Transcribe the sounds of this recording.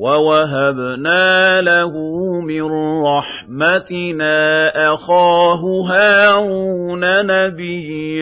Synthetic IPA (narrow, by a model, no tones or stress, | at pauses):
wawaɦabnaːlahumɪnɾˤɑħ | mat̪ɪnaːʔaxaːɦʊɦaːuːnanabɪj